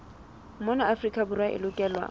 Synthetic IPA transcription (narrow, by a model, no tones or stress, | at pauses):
mɔnaafrikʼabʊrwaʔɪ̰lʊkʼɛːlwa̰